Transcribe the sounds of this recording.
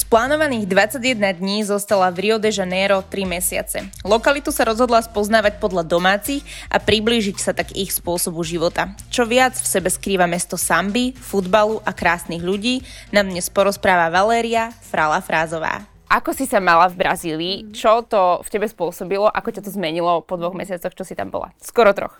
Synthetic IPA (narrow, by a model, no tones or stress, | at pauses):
splaːnɔʋaniːɣd̪ʋat͡saɟjɛd̪nad̪ɲiːzɔst̪alavɾiɔd̪ɛʒanɛːɾɔt̪ɾimɛsɪa̰t͡sɛ̰lɔkalit̪usaɾɔzɦɔd̪laspɔznaːʋac̚pɔd̪ʎad̪ɔmaːt͡sixʔa̰pɾibliːʒicsat̪aɡixspʊɔsɔbuʒiʋɔt̪at͡ʃɔʋɪad͡zfsɛbɛskɾiːʋamɛst̪ɔsambifud̪baluʔakɾaːsniɣʎuɟiːnad̪ɲɛspɔɾɔspɾaːʋaʋalɛːɾiafɾalafɾaːzɔʋa̰ː | ʔakɔsisamalavbɾaziːliːt͡ʃɔt̪ɔfcɛbɛspʊɔsɔbilɔʔakɔcat̪ɔzmɛɲilɔpɔd̪ʋɔɣmɛsɪat͡sɔxt͡ʃɔsit̪a̰mbɔ̰la̰skɔɾɔt̪ɾɔ̰x